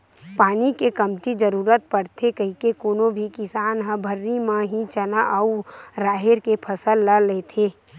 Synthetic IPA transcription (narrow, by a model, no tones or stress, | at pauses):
paːnikekɐmt̪id͡ʒəɾuːɾət̪̚pəɽt̪ʰekəɦikekoːnõbʱikɪsaːnɦə̃bʱəɾːimãɦit͡ʃɐnaʔɐuɾaːɦɪɾkepʰɐsəlːaleːt̪ʰeː